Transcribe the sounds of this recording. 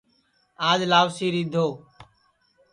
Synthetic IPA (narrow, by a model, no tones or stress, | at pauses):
aːd͡ʒlaːʋsiːɾiːd̪ʱoː